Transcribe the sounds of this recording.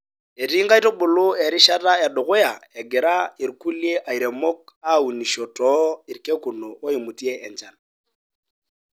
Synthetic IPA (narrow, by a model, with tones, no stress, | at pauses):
ɛ˨ɾi˦ŋɡa˦i˦tɔ˦bʊ˨lʊ˦ɛ˨ɾi˦ʃa˦ta˦ja˨dʊ˨ɣʊ˦a˨ɛ˨ɡɪ˨ɾa˦i˨ɾku˦li˦ɛ˦ʔa˨i˨ɾɛ˨mɔ˦ka˦˨u˨ni˨ʃɔ˨tɔ˦i˨ɾkɛ˦ku˨nɔ˨wɔ˦i˨mu˨ti˦ɛ˦ʔɛ˨nt͡ʃa˨n